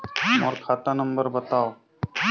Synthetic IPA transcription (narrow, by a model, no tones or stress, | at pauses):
mɔ̰ɾkʰaːt̪anəmbəɾbət̪aːo